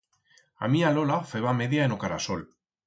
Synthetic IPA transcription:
a̰mialolafeβame̞ðjaenokaɾasol

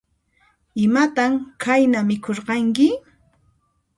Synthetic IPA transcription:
ɪmat̪amkʰajnamɪkʰoɾɢɑŋkɪ

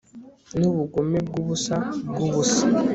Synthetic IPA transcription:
niβuɡumeɡuβusaɡuβusḁ

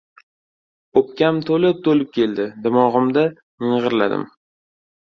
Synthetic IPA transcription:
opkʲamt̪ʰolɪp̚t̪ʰolɪp̚kʲʰe̞ld̪ɪd̪ɪmɒʁɨmd̪a | nɨɴʁɨɾla̰d̪ɪ̰m

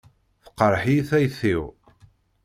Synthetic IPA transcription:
θə̥qːəɾˤħiθæjθiw

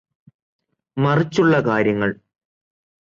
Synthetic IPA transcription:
mɐrit͡ɕːuɭːɐkaːɾjɐŋːɐɭ

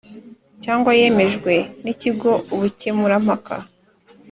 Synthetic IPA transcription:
caːŋɡwaje̞me̞ʒɡwe̞niciɡo̞uβucemuɾam̥haka̰

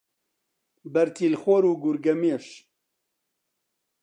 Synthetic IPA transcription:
bɐɾt̪ʰiːlxwoɾuːɡuɾɡɐmeʃ

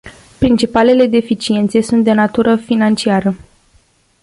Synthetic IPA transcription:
pɾint͡ʃipale̞le̞d̪e̞fit͡ʃie̞nt̪se̞sunt̪̚d̪e̞nat̪uɾəfinant͡ʃiaɾə

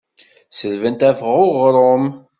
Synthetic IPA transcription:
səðvənt̪æfəʁoʁɾˤom

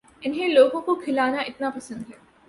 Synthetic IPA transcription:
ɪnɦẽloːɡõkokʰɪlaːnaʔɪt̪napɐsə̃nd̪ɦɛː

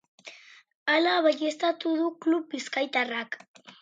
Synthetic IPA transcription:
alaβaʎest̪at̪uðuklup̚biskajt̪arak

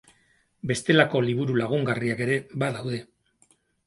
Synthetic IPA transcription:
be̞st̪e̞lako̞liβ̞uɾulaɣ̞uŋɡariake̞ɾe̞βaðawðe̞

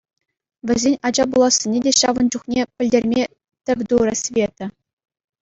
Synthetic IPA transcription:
vʲɘ̆zʲenʲɑd͡ʑɑbulˠɑsːʲenʲedʲeɕɑ̰ʋɤ̆nd͡ʑuχnʲepʲɘ̆lʲdʲerʲmʲe | t̪ʲɘ̆vʲd̪uɾɘ̆sʲvʲet̪ʲɘ̆

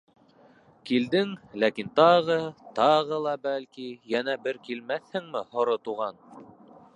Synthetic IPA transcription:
kild̪ɘŋlækint̪ɑʁɤt̪ɑʁɤlˠɑbælkijænæbɘɾkilmæθhɘŋmɘhŏɾot̪uʁɑn

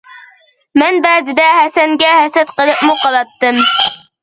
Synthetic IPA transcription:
mɛnbɛːzɪd̪ɛhæsɛŋɡʲɛhɛsɛt̪qəlˠɨpmuqʰɑlˠɑt̪ːɨm

